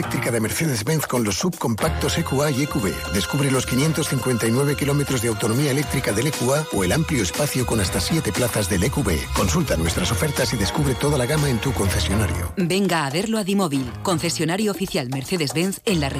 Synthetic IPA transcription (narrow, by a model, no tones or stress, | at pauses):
ek̚t̪ɾikaðeme̞ɾθeðe̞zβenθko̞nlo̞sːub̚ko̞mpak̚t̪o̞sekuaiekuβḛðe̞skuβɾelo̞skinje̞nt̪o̞sθiŋkwe̞nt̪ajnwe̞β̞e̞kilo̞me̞t̪ɾo̞zðeawt̪o̞no̞miaele̞k̚t̪ɾikaðe̞lekuaoe̞lampljoespaθjoko̞nast̪asje̞t̪e̞plaθazðe̞lekuβḛko̞nsult̪anwe̞st̪ɾaso̞fe̞ɾt̪asiðe̞skuβɾe̞t̪o̞ð̞alaɣamaẽ̞nt̪uko̞nθe̞sjo̞naɾjo̰beŋɡaːβe̞ɾloaðimoβilko̞nθe̞sjo̞naɾjoːfiθjalme̞ɾθeðezβenθenlare